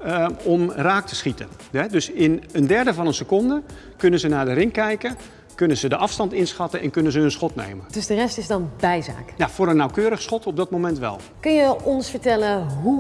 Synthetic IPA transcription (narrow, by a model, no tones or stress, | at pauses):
ɔmraːk̚tʰə̥sχitən | ɛdøsɪnəndɛɹdəvɑnənsəkɔndə | kønənzənaːdərɪŋkɛjkə | kønənzədəʔɑfstɑntɪnsxɑtəɛnkønənzəənsxɔtnḛːmənd̥øsdərɛstɪzdɑnbɛjza̰ːkjav̥oːɾənːawkøːɾəxsxɔtʰɔb̚dɔt̚momɛntʋɛ̰lˠ | kɵnjəɔnsfəɹtɛləɦu